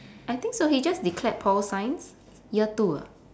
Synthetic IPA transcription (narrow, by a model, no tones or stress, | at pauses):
ʔajt̪ĩŋksohid͡ʒasdikʰlɛt̚pʰɔlsãj̃ns | jət̪uə̰